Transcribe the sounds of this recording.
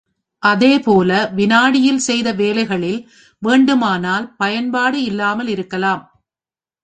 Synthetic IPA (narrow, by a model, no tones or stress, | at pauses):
ʔɐðeːpoːlɐʋɪnaːɽɪjɪlsɛjðɐʋeːlɐɪɣɐɭɪl | ʋeːɳɖɯmaːnaːlpɐjɐnpaːɽɯɪlːaːmɐlɪɾɯkːɐlaːm